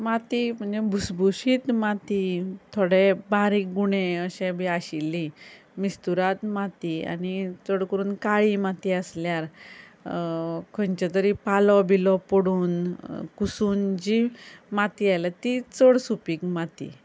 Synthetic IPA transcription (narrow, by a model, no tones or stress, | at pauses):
mat̪im̤əɳd͡zebʱusbʱuɕiːt̪mat̪it̪ʰoɽebaɾiːkɡuɽ̃eəɕẽbʱiaɕilːi | mist̪uɾat̪mat̪ia̰nit͡səɽkəɾuːnkaɭimat̪iəsljaɾ | kʰənt͡ɕat̪̬əɾipalɔbilɔpəɽuːnkusuːnd͡ʑimat̪iajlat̪it͡səɽsupiːkmat̪ḭ